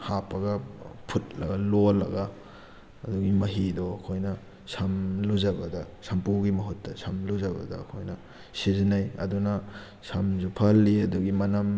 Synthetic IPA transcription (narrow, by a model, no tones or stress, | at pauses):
hapɐɡɐpʰut̚lɐɡɐlolɐ̰ɡɐː | duɡimɐɦidoɐkʰojnɐ | sɐmluzɐbɐdɐsɐmpuɡimɐɦutːɐsɐmluzɐbɐ̰dɐ̰ːkʰojnɐ | sizinɐjɐ̰dunɐ | sɐmzupʰɐlːiɐduɡimɐnɐm